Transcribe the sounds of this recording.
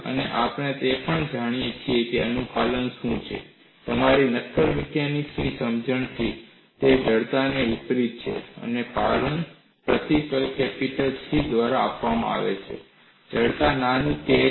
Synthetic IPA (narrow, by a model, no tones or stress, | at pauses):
ə̰neʔapɳ̃et̪epəɳd͡ʒaɽ̃ijet͡ʃʰiekeənufalənʃũt͡ʃʰḛ | t̪əmaɾinət̪ʰːəɾmɛkeniksnisəmd͡ʒəɳt̪ʰi | t̪ed͡ʒəɽt̪aneup̪ɾit̪̚t͡ʃʰḛə̰nepalən | pɾət̪ikəlkɛpiʈəlsid̪ʋaɾaːpʋamã̰a̰ʋḛt͡ʃʰḛ | d͡ʒəɽt̪ananit̪e